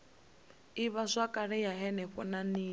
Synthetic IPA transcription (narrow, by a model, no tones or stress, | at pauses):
iβaʂakʼaɺɛjaɦɛnɛɸɔnaniː